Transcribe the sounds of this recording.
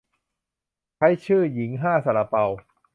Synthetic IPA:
t͡ɕʰa˦˥jt͡ɕʰɯː˥˩ji˩˦ŋɦaː˥˩sa˨˧˩la˧pa˧w

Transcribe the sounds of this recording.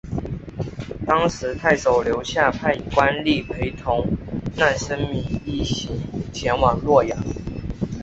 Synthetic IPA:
t̪ɑ˥ŋʂɻ̩˧˥t̪ʰa˥˩ɪso˨˩ʊljo˧˦ʊɕja˥˧pʰa˥˩ɪ˩kwa˦nli˥˩pʰe˧˥ɪt̪ʰʊ˧˥ŋna˥˩nʂə˥nmi˧˥ŋi˥˩ɕi˧˥ŋt͡ɕʰjɛ˧˥nwɑ˨˩ŋlwɔ˥˩jɑ˨˩˦ŋ

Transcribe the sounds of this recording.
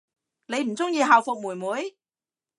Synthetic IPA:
ne˨˧jm̩˨˩t͡sʊ˥ŋjiː˧ɦaː˨˩wfʊ˨k̚muː˨˩jmuː˨˧˥j

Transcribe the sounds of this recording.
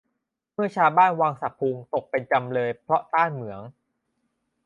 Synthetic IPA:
mɯ˥˩ɐt͡ɕʰaː˧wbaː˥˩nwaː˧ŋsa˨˩pʰːuː˧ŋt̪o˨˩k̚pe˧nt͡ɕa˧mlɤː˧jpʰɾɔ˦˥ʔt̪aː˥˩nmɯ˩˦əŋ

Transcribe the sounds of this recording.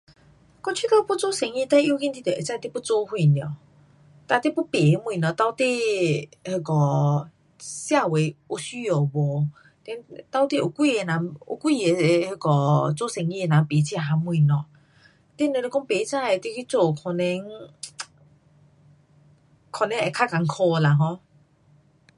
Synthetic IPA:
kɔ˥˦t͡ɕʰi˦k̪a˧pu˥˦t͡so˥˦sɛ˨˦ŋĩ˧t̪a˥˧˦ʔji˧˦˧ki˦nt̪i˧t̪e˨e˨t͡sa˥˧t̪e˥˨pu˥˦t͡so˦hwi˧˨nj | t̪a˧t̪e˥˧˨pu˦pe˨˦˧m˧ĩ˧˨nɔ̃˨˧˨t̪a˧wt̪e˥˧˨he˧˩kɔ˨˩ | sja˥˧we˨˧˦u˧sy˦jo˨˩bɔ˨˦ | t̪ɛ˧˦nt̪a˧˦wt̪i˥˧˨ʔo˨˩kwi˥˧˨e˧˨nã˨˦o̰˧˦kwi˦˧˨e˨˧he˧˩kɔ˨t͡so˦sɛ˧˨ŋi˧e˧nã˨pe˨˦t͡ɕʰɦa˧˦mw̃nɔ̃˧˨ | t̪e˥˦˨ne˧le˧kɔ˦ŋpe˨˦t͡sa˥˧˨e˨t̪i˦˧ki˦t͡so˧˩kʰɔ˧nɛ̃˧˦ŋ | kʰɔ˧nɛ̃˧˦ʔɛ˨kʰa˦ka˨˦ŋkʰɔ˧la˧ɦɔ̃˧

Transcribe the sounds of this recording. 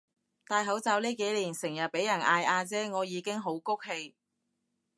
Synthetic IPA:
t̪aː˧jɦɐ˨˥wt͡saː˨˥wliː˥ke˨˥jliː˨˩nsɪ˨˩ŋjɐ˨t̚pe˨˥jɐ˨˩nʔaː˧jʔaː˧t͡sɛː˥ŋɔː˨˧jiː˨˧kɪ˥ŋɦo˨˥wkʊ˥k̚he˧j

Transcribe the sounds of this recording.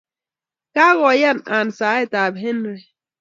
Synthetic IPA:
ka˦ɣɔ˨ja˦˨na˨n˨sa˨˦e˦ta˨bɦe˦nɾe˨

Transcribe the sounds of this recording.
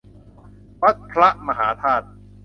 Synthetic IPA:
wa˦˥t̪̚pʰɾa˦˥ʔma˧ɦaː˩˦t̪ʰaː˥˩t̪̚

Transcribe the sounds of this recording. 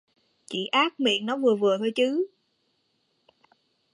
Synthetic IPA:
t͡ɕḭ˧˨ʔaː˦˥k̚mḭ˧˨ənnɔ˨˦vɨ˨˩əvɨ˨˩ət̪ʰo˧jt͡ɕɨ˨˦

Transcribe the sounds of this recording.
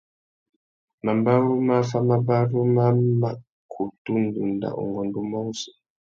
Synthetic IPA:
ma˨mba˦ɾu˦ma˦fa˦ma˦ba˦ɾu˦ma˦ma˨ | kʰu˨tu˦ndu˨nda̰˨ʔṵ˨ŋɡɔ˨ndu˦mɔ˦sɛ̥˨

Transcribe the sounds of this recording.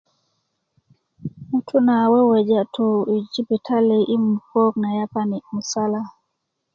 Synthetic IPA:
mutʰu˦na˨wɛ˦wɛ˨d͡ʒa˦tui˨d͡ʒi˦bi˨tʰa˦li˨ʔi˦mupɔ˦k̚na˨ja˦pani˨mu˨sala

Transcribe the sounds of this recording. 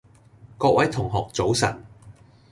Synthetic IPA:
kɔː˧k̚wʔɐ˨˥jt̪ʰʊ˨˩ŋɦɔː˨k̚t͡so˨˥wsɐ̰˨˩n

